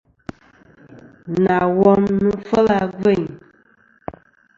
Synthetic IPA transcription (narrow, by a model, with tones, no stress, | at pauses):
na˨wɔ˦mnɨ˦fə˦la˦ɡe˦˨ɲ